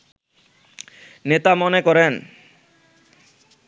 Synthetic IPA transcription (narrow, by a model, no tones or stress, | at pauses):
net̪amɔnekɔɾen